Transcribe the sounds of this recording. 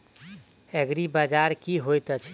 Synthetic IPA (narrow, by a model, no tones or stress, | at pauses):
ɛɡɾibad͡ʒaɾkiɦojt̪ət͡ʃʰ